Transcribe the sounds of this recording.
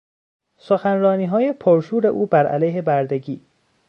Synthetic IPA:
soxænrɒːniːɦɒːjepʰɒɾʃuːɾeʔuːbæɾʔæ̰læjɦe̞bæɾd̪eɡiː

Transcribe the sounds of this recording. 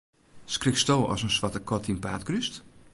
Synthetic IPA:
skrɪkstowɔ̰sənsʋatəkɔtinpa̰ːtkryst

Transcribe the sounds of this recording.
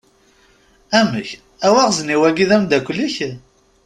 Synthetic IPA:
æməç | æwæʁzniwæɡiðæmd̪ækʷlːiç

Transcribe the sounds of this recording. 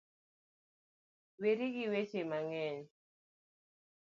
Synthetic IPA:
weɾiɡɪwet͡ʃemaŋɛɲ

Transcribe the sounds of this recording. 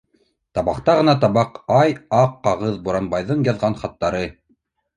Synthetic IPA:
t̪ɑβɑqt̪ɑʁɤ̆nɑt̪ɑβɑqɑjɑqːɑʁɤðbuɾɑnbɑjðɤɴjɑðʁɑnχɑt̪ːɑɾɤ

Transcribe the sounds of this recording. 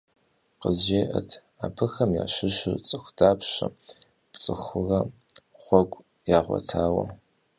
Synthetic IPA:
qəzʒeːʔɐtʰ | aːpʰɨxɐmja̰ːʃɪʃɨt͡sʼɨxʷdaːpɕɐ | pt͡sʼɨxʊrɐχʷɔɡʷʼ | jaːʁʷɔ̰tʰaːwɐ̰

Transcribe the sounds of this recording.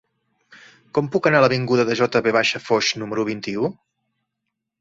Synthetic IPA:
kɔmpukənaləβiŋɡuðəðəʒɔt̪əβeβ̞aʃəfɔʃnuməɾuβ̞int̪iu

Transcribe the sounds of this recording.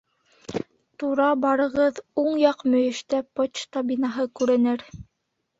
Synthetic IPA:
t̪uɾɑbɑɾɤ̆ʁɤðuɴjɑqmɵ̆jɘ̆ʃt̪æpot͡ʃt̪abʲinɑɦɤkʉɾɘ̆nɘɾ

